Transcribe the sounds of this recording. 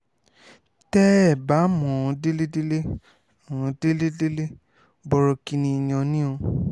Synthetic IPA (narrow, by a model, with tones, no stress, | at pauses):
tɛ˦ɛ˦˨ba˨˦mɔ̃˨˧de˦le˦de˦le˦˨ | ɔ̃˨˧de˦le˦de˦le˦ | bɔ˧ɾɔ˨˧ki˧nĩ˧i˨j̃ɔ̃˧nĩ˦õ˧